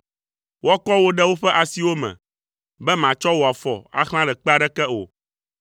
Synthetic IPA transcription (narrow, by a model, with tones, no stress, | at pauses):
wɔ˦kɔ˦wo˦ɖɛ˦wo˦ɸɛ˦ʔa˨si˨˦wo˦mɛ̰̃˨ | bɛ˦mã˨t͡ʃɔ˦wo˨a˨fɔ̰˨a̰˦xl̃ã˦ɖɛ˨k͡pɛ˦a˦ɖɛ˦kɛ˦o̰˨